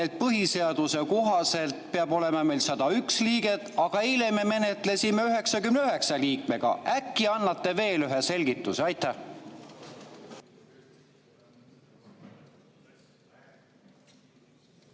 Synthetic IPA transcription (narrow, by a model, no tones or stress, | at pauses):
et̪̚pɤɦise̞ɑd̪̥use̞ko̞ɦɑse̞lt̪peɑbo̞le̞mɑme̞jlsɑd̪̥ɑyksliːɡe̞t̪ːɑɡ̥ɑelememe̞net̪le̞simeyɦe̞ksɑkymneyɦe̞ksɑliːkme̞ɡ̥ɑ̰ʔækˑːiɑnːɑt̪ːe̞ve̞ːlyɦese̞lʲɡ̥it̪ːˑuseɑjt̪ːæh